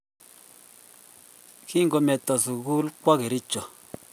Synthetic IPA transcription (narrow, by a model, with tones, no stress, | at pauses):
ki˦ŋɡo˨mɛ˨tɔ˨zu˨ɣu˦lkwɔ˦ɣe˨ɾi˦t͡ʃɔ˨